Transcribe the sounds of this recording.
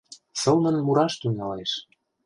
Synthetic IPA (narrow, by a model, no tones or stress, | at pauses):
sɤ̆lnə̆nnmuɾɑʃt̪yŋɑleʃ